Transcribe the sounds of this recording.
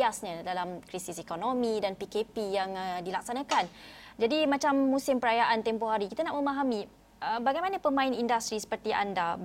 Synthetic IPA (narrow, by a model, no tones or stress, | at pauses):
asɲãdalamkɾisisekonomĩdanpikepijaŋdilak̚sanãkand͡ʒadimãt͡ʃamːũsɪmpəɾajaʔant̪empoɦaɾikit̪anaʔməmaɦamĩ | əbaɡajmanə̃pəmãɪnindast̪ɾisə̥pərt̪iʔa̰nda